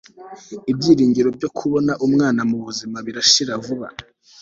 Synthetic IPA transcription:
ibɟiːɾiːɲɡiɾo̞b̚ɟo̞kʰuβo̞naʔumŋaːnamuβuzimaβiɾaʃiɾavuβa̰

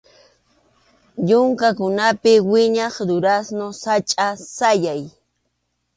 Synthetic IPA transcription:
ʎʊŋkakʊnapɪwɪɲɑχd̪ʊɾasnosat͡ʃʼasajaj

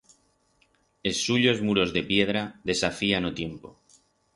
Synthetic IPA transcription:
e̞suʎo̞zmuɾo̞zðe̞pje̞ð̞ɾaðe̞safianot̪je̞mpo

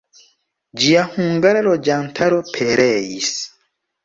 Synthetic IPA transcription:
d͡ʒiahuŋɡaɾalod͡ʒantʰaɾopʰeɾejis

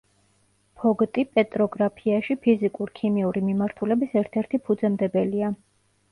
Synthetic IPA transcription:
pʰɔɡt̪ʼipʼɛt̪ʼɾɔɡɾapʰiaʃipʰizikʼuɾkʰimiuɾimimaɾt̪ʰulɛbisɛɾt̪ʰɛɾt̪ʰipʰud̪zɛmd̪ɛbɛlia

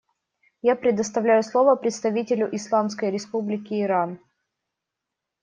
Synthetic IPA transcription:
japɾʲɪd̪əst̪ɐvlʲæjʊslˠo̞vəpɾʲɪt̪st̪ɐvʲitʲɪlʲʊʔɪslˠamskəjɾʲɪspublʲɪkʲɪːɾan

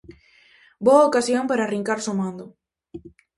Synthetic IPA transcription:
boaokasjompaɾariŋkaɾsomãnd̪o

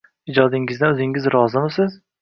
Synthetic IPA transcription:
ɪd͡ʒɒd̪ɪŋɪzd̪aɵzɪŋɪzɾɒzɪmɪsɪz

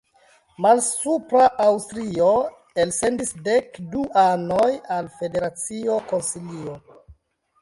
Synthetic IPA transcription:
malsupɾaʔawstɾio̞ | else̞ndisdekduʔanojalfe̞de̞ɾat͡sio̞ko̞nsilio

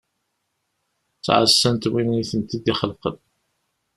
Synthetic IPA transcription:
t͡sːʕəsːənt̪winiθənt̪id̪iχəlqən

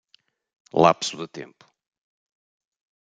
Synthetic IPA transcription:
lˠa̰psuðɨt̪ḛ̃mpu̥

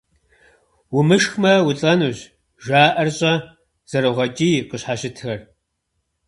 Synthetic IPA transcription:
wʊmɨʃxmɐwʊɬʼɐnuːʑ | ʒʷaːʔɐrɕʼɐ | z̥ɐɾɨʁɐt͡ʃʼiːqəɕħaɕɪtʰxɐr

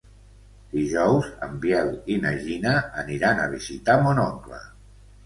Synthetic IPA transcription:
d̪̥iʒɔwzə̰mbjɛlinəʒinəːniɾanə̰βizit̪amonɔŋklə̰

